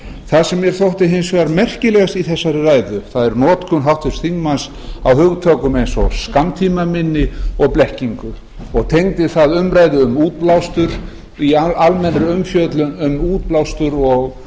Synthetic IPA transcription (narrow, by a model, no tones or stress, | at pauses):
θaðsɛmːjɛɾ̥θowht̪ɪɦɪnsvaɾmɛr̥cɪlɛːɣast̪iθɛsːaɾɪraːjðʏθaðɛɾnɔːt̪kʰʏnɦawht̪ʏsθiŋmans | awhʏɣt̪ʰœːkʏmejnsɔ̰skamt̪ʰiːmamɪnːɪɔɣplɛhciŋkʏ | ɔɣt̪ʰejŋt̪ɪθaðʏmɾajðʏʏmuːt̪̚plawst̪ʏɾ | iaalmɛnrɪʏmfjœt̪lʏnʏmuːt̪̚plawst̪ʏɾɔɣ